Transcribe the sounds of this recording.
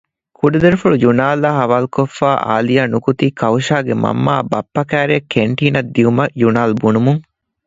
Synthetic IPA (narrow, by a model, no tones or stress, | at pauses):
kʰuɖɐd̪ɐɾifuɭud͡ʒunaːlɐɦɐʋaːlukofːaːʔa̰ːlijaːnukut̪iːkɐwʃaːɡemɐ̰mːaːbɐpːɐkæːɾeɐkːeɳʈiːnɐd̪ːiumɐjunaːlbunumuŋ